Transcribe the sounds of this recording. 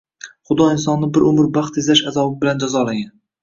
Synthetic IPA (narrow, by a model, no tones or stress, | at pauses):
χʊd̪ɒɪnsɒnːɪbɪɾʔʊmɪɾbɑχt̪ezlaʃazɒbɪbɪland͡ʒazɒlaɡʲan